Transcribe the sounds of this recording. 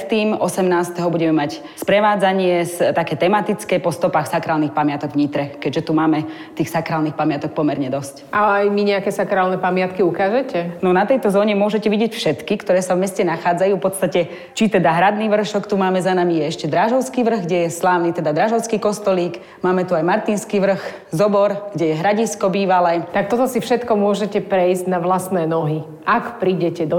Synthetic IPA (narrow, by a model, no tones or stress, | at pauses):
t̪iːmɔsɛmnaːst̪ɛɦɔbuɟɛmɛmac | spɾɛʋaːd͡zaɲɪɛst̪akɛːt̪ɛmat̪it͡skɛpɔst̪ɔpaːxsakɾaːlnixpamɪat̪ɔɡvɲit̪ɾɛkɛɟʒɛt̪umaːmɛ | t̪iːxsakɾaːlnixpamɪat̪ɔk̚pɔmɛɾɲɛd̪ɔscʔalɛajmiɲɛakɛsakɾaːlnɛpamɪat̪kiukaːʒɛcɛnɔnat̪ɛjt̪ɔzɔːɲɛmʊɔʒɛcɛʋiɟɪɛcfʃɛt̪kikt̪ɔɾɛːsavmɛscɛnaxaːd͡zajuːfpɔt̪st̪acɛ | t͡ʃit̪ɛd̪aɦɾad̪niːʋr̩ʃɔkt̪umaːmɛzanamijɛɛʃcɛd̪ɾaʒɔʊskiːʋr̩ɣɡɟɛjɛslaːʊnit̪ɛd̪ad̪ɾaʒɔʊskiːkɔst̪ɔliːk | maːmɛt̪uajmaɾt̪inskiʋr̩x | zɔbɔɾɡɟɛjɛɦɾaɟiskɔbiːʋalɛːt̪ak̚t̪ɔt̪ɔsifʃɛt̪kɔmʊɔʒɛcɛpɾɛjzɟnaʋlast̪nɛːnɔɦi | ʔakpɾiːɟɛcɛd̪ɔ